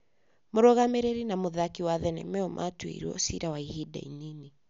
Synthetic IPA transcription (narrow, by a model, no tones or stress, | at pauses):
moɾɔɣamɛɾeɾinamoðakiwaðɛnɛ̰mɛɔmʔa̰twḛɾuɔ̰siɾawaihida̰inini